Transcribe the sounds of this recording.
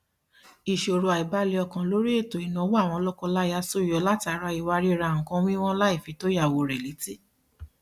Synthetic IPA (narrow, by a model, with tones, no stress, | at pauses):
i˨ʃo˧˨ɾo˧a˨i˨ba˦le˧ɔ˧kã˧lo˨˦ɾi˦e˦˨to˨i˨nã˨˦wo˦a˦˨w̃ɔ̃˧ɔ˧lɔ˦kɔ˧la˦ja˧˦so˦˨jɔ˨˧˦la˦ti˧a˨˧˦ɾa˧i˨wa˧ɾi˦˧ɾa˧˨ŋ̩˨kã˧˦wĩ˦w̃ɔ̃˦la˦i˦˨fi˨˦to˦ja˦˨wo˧ɾɛ˨li˨˦ti˦˨